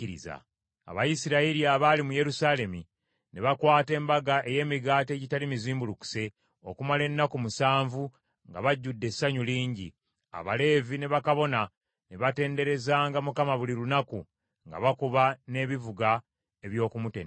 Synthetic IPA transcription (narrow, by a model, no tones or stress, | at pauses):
iɾḭza̰ | a̰βajisiɾaiɾiaβalimuje̞ɾusale̞mi | ne̞βakwaːte̞ːmbaɡaʔe̞je̞ːmiɡaːte̞ːɟitalimiziːmbuluku̥se̞ | o̞̰kumale̞nːakumusaːɱvu | ŋɡa̰βaɟːudːe̞sːaɲuliːɲɟḭ | a̰βale̞ːvine̞βakaβo̞na | ne̞βate̞ːnde̞ɾe̞zaːŋɡamukamaβulilunaku | ŋɡa̰βakuβane̞βivuɡa | e̞βjo̞ːkumutḛn